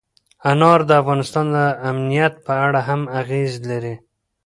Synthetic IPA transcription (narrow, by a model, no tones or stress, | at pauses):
anɑɾd̪əafɣɑnɪst̪ɑnd̪əamnijat̪̚pəaɽaɦamaɣezlaɾi